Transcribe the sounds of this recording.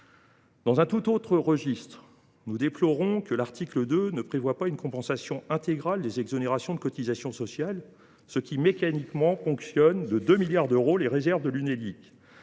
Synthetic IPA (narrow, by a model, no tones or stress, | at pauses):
d̪̥ɑ̃zɛ̃t̪ut̪ot̪χəʁəʒist̪χ | nud̪eplɔʁɔ̃kəlaʁt̪ikləd̪ønəpχevwapaynkɔ̃pɑ̃sasjɔ̃ɛ̃t̪eɡʁald̪ezɛɡzɔneʁasjɔ̃d̪əkɔt̪izasjɔ̃sɔsjal | səkʲimekanikmɑ̃fɔ̃ksjɔnd̪əd̪ømiljaʁd̪øʁoleʁezɛʁvd̪əlynelik